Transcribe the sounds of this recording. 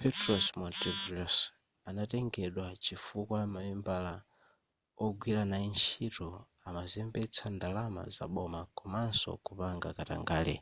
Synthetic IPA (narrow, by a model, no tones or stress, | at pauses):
pʰɛtɾɔsmɔntɛvilɔs | anatɛŋɡɛɗwat͡ʃifukwamawimbala | ɔɡwiɾanaint͡ʃʰitɔ | amazɛmbɛt͡sʰandalama̰za̰ɓɔmakɔmansɔ̰kupaŋɡakata̰ŋɡaːlɛ̰